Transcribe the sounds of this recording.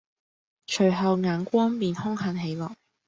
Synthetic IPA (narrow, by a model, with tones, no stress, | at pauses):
t͡ʃʰɵ˨˩ɥɦɐ˨wŋaː˨˥nkʷɔː˥npiː˨nhʊ˥ŋhɐ˨˥nɦe˨˥jlɔː˨˩k̚